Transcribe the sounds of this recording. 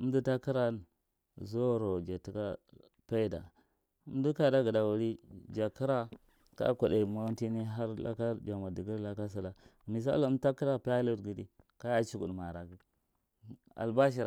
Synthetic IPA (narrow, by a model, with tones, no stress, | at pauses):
ə˦m˦du˦ta˦ki˦ɾa˦˨ | zo˦˨ɾo˨d͡ʒa˨ti˦ka˦ | pa˦i˦da̰˨ | u˦m˦du˦ka˦˨da˦ɡə˨da˨wu˨ɾi˦d͡ʒa˨ki˦ɾa˦ | ka̰˦kʷa˨de˨ma˦nti˦ni˦ɦa˦ɾla̰˦ka˦d͡ʒa˨ma˨di˨ɡi˦ɾla˦ka˦s̬i˨la˨mi˨s̬a̰˦lta˦ki˦ɾa˦pa˦lo˦tɡi˨di˦ | ka˦ja˦t͡ʃi˦ɡṵ˨dma˨ɾa˨ɡi˦ | a̰˨lba˦ʃ̬i˨ɾa˨